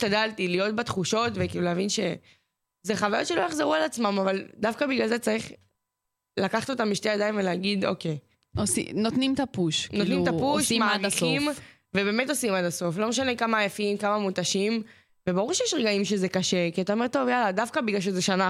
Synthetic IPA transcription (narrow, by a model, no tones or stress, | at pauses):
tadaltilijo̞t̚batχuʃo̞tvekiːluleavinʃe̞ | zeχavajotʃelojaχzeʁualat͡smamavald̪afkabiɡlalzet͡saʁiχ | lakaχt̪o̞t̪ambiʃteadainveleaɡido̞̰ke̞j | osḭnotnimt̪apuʃknot̪nimt̪apuʃimaamaχim | vebe̞ːme̞to̞simadaso̞flo̞meʃane̞kamaːjafimkamamutaʃim | ve̞baʁuʁʃejɛʃʁeɡaimʃe̞zekaʃekiatao̞me̞ʁtːo̞vjaladafkabiɡlalʃ̬ezeʃana